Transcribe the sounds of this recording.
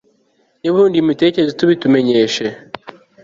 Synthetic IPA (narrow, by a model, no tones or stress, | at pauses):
niβuuːndiumite̞ːcezituβitume̞ɲe̞ʃe̞